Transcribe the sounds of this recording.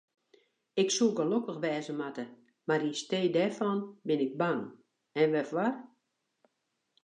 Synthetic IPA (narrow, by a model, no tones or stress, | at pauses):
ɪksuɡəlokəxʋɛːzəmatə | maɾinsteːdɛrfɔnbɪnɪɡ̚baŋ | ɛnʋɛfʋar